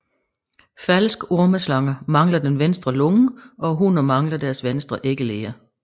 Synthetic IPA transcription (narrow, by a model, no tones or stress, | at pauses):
fælsɡ̥o̝ɐməslɑ̈ŋɐmɑ̈ŋlɐd̥enʋensd̥ʁɐlɔŋəɒ̽ɦunɐmɑ̈ŋlɐd̥æɐsʋensd̥ʁɐʔe̝ɡ̥əle̝ːɐ